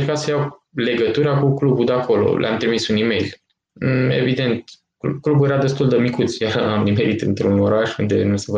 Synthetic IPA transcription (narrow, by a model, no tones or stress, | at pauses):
ɾkasəjawle̞ɡət̪uɾakuklubud̪eako̞lo̞̰lʔa̰mt̪ɾimisunime̞jl | e̞̰vid̪e̞nt̪ | kklubuje̞ɾad̪e̞st̪uld̪əmikut̪sjaɾamnimeɾit̪ɨ̰nt̪ɾuno̞ɾaʃund̪e̞̰nusev